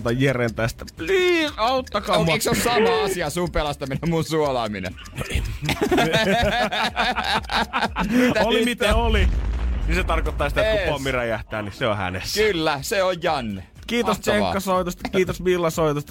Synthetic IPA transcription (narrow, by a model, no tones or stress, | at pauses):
t̪ɑjierent̪æst̪æpliːsɑut̪ːɑkɑmeksosɑmɑɑsiɑsumpelɑst̪ɑminemmunsuolɑːminḛ | t̪olimit̪æoliniset̪ɑrkot̪ːɑːˑsi̥t̪ækupomːiræjæht̪æːnniseohæ̰nḛsːylːæseojjɑnːe | kiːt̪ost̪eŋkːɑsoit̪ost̪ɑkiːt̪osʋilːɑsoit̪ost̪